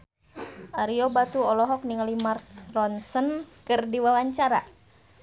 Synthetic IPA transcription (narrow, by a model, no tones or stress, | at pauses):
ʔaɾiobat̪uɔlɔɦɔk̚niŋlimartrɔnsənkɨrdiwawaɲt͡ʃaɾa̰